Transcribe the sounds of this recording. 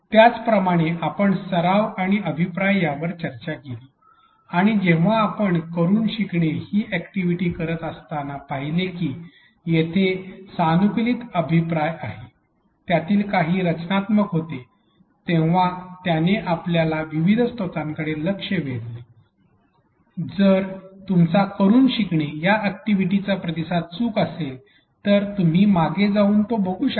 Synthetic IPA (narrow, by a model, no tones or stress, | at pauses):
t̪jat͡spɾəmaɽ̃eʔapəɳsəɾaʋaɽ̃iəbʱipɾajjaʋəɾt͡ɕəɾt͡ɕakeliː | aɽ̃id͡ʑeʋ̤aːpəɳkəɾuːnɕikɳehiːʔɛkʈiʋiʈiːkəɾət̪əst̪anapaɦilekiː | jet̪ʰesanukliːt̪əbʱipɾajaɦe | t̪jat̪iːlkaɦiːɾət͡ɕnat̪məkɦot̪e | t̪ẽʋat̪janeʔapljalaʋiʋid̪ʱst̪ot̪ãŋkəɽeləkʂəʋeɽle | d͡zəɾt̪umt͡sakəɾuːnɕikɳijaæk̚ʈiʋiʈit͡sapɾəd̪isat̪̚t͡suːkəsel | t̪əɾt̪um̤iːmaɡed͡zauːnt̪obəɡuːɕ